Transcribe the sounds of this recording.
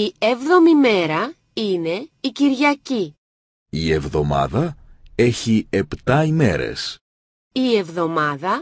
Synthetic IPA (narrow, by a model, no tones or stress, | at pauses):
ie̞vðo̞mime̞ɾɐ | ine̞iciɾʝɐci | ie̞vðo̞mɐ̰ðɐe̞çiept̪ɐime̞̰ɾḛs | ie̞vðo̞mɐðɐ